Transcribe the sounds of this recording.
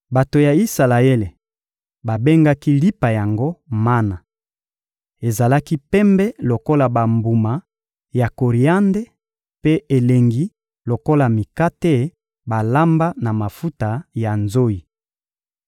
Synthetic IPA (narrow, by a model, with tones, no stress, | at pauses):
ba˨to˨ja˨i˦sa˨la˨e˦le˨ | ba˨be˦ŋɡa˦ki˦li˦pa˨ja˨ŋɡo˦ma˦na˨ | e˨za˨la˦ki˦pɛ˦mbɛ˦lo˨ko˦la˨ba˨mbu˨ma˨ | ja˨ko˨ʁi˨a˦nde˦ | pe˦e˨le˨ŋɡi˦ | lo˨ko˦la˨mi˨ka˦tɛ˦˨ | ba˨la˦mba˦na˨ma˨fu˦ta˨ja˨nzo˦i˨